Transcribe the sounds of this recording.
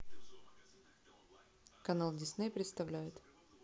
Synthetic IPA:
kɐnalˠdʲɪsnejpɾʲɪt̪st̪ɐvlʲæjʊt̪

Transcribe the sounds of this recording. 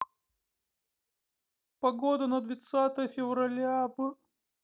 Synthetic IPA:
pɐɡod̪ənəd̪vʲɪt̪sat̪əjəfʲɪvrɐlʲavɨ

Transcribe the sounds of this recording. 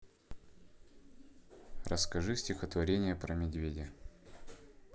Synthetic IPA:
ɾʔəskɐʐɨsʲtʲɪxət̪vɐɾʲenʲɪjəpɾəmʲɪd̪ʲvʲedʲɪ

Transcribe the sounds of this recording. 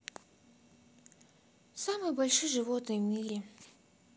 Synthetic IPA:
samɨjbɐlʲʂɨjʐɨvot̪nɨjvmʲiɾʲe

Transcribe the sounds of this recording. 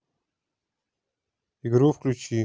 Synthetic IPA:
iɡɾufklʲut͡ʃi

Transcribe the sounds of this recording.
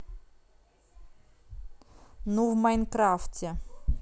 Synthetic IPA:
nuvmajnkɾaftʲɛ

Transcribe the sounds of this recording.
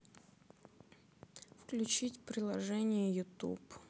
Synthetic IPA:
fklʲʉt͡ɕitʲpɾʲɪlˠɐʐɛnʲɪjəjʊt̪ṵp

